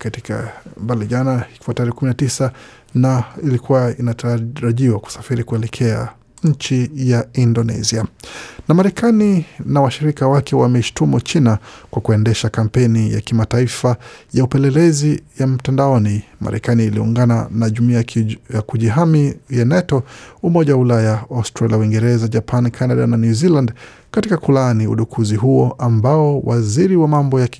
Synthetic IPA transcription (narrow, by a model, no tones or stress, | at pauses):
katika̰mbaliʄanahikfataɾɛkuminatisa | nailikuwainaɾaʄiwaku̥sḁfiɾikuɛlɛkʰɛa̰ | ɲ̩t͡ʃijaindɔnɛ̰zianamaɾɛkʰaninawaʃiɾikawakɛwamɛʃi̥tumut͡ʃinakwakuɛndɛʃakam̩pɛnija̰kimataifajaupɛlɛlɛzijam̩tandaɔnima̰ɾɛ̰kaniːliṵŋɡananaʄumiajakuʄiɦamijanɛtɔumɔʄawaulajaawstɾaliawiŋɡɛɾɛzad͡ʒapʰankʰanaɗa̰nanjuziland | katikakulaniṵɗukʰuziɦuɔʔambaɔwʔaziɾiwamambɔja